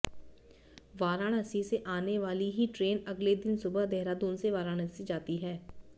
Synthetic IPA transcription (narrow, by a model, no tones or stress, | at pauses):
ʋaːɾaːɳ̃əsiseʔaːneʋaːliɦiːʈɾeːnəɡled̪ɪnsʊbəɦd̪ɛːɾaːd̪oːnseʋaːɾaːɽ̃əsid͡ʒaːt̪iɦɛː